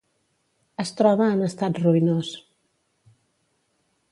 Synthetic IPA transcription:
əst̪ɾɔβəːnəst̪at̪ruinos

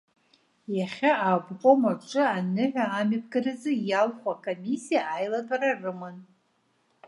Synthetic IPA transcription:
jaχʲaabqʷʼomaʈ͡ʂʼɨanɨʕʷᶣaːmap̚ʰɡarɨzɨjalχʷakʰʼomisijaajlatʼararɨmɨn

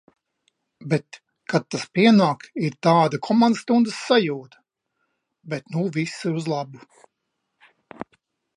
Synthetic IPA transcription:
bɛt̪ | kad̪̚t̪ːaspʲiɛnaːkiɾt̪aːd̪ɐkʰɔmanst̪und̪əsːajuːt̪ɐ̥ | bɛt̪nuvʲisiɾuzlˠabu

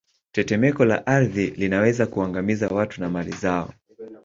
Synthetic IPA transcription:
tɛtɛmɛkɔla̰ʔaɾðilinawɛzakuaŋɡamizawatunamalḭzaɔ̰

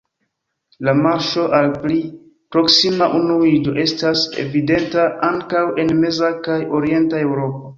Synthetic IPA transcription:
lamaɾʃo̞ʔalpli | pɾo̞ksimaʔunuid͡ʒo̞ʔe̞stase̞̰vide̞ntaʔaŋkawe̞nme̞zakajo̞ɾie̞ntae̞wɾo̞po̞

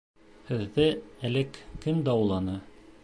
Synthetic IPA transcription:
hɘ̆ðːɘælɘkːɘmd̪æɑwlˠɑnɤ

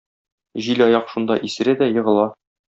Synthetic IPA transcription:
ʑilʲɒjɑqʃund̪ɑ̰ʔisɘ̆ɾæd̪æjɤ̆ʁɤ̆lˠɑ

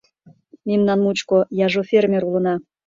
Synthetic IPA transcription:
memnɑnmut͡ɕkojɑʒofʲermʲeɾulə̆nɑ

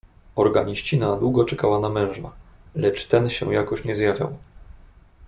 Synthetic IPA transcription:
ɔɾɡaɲiɕt͡ɕinad̪wuɡɔt͡ʂɛkawanamɛ̃w̃ʐa̰ | lɛt͡ʂt̪ɛnɕɛ̰jakɔɕɲɛzjavʲja̰w

